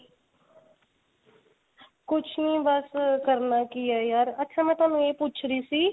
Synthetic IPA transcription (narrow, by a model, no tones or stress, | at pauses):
kʊt͡ʃʰnĩbəskəɾnakiajaːɾɐtːʃʰamɛ̃ːt̪aːnũjeːpuːt͡ʃʰɾiːsiː